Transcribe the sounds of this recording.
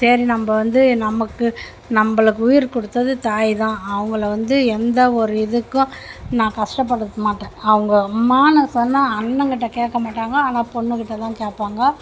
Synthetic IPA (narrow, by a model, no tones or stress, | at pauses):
sɐɾinɐmbɐʋɐnd̪ɯnɐmɐkːɯ | nɐmbɐɭɯkːɯʊjɪɾkɔɽɯt̪ːɐðɯt̪aːjt̪ãːɐʋɐŋɡɐɭɐʋɐnd̪ɯɛnd̪ɐɔɾɯɪðɯkːʊ̃nãːkɐʂʈɐp̬ːɐɽɯt̪ːɯmaːʈːẽːɐʋɯŋɡɐmaːnɐsɔnːaɐnːɐŋkɪʈːɐkeːʈkːɐmaːʈːaːŋɡɐaːnaːpɔɳːɯkɪʈːɐt̪ãːkeːʈpːaːŋɡɐ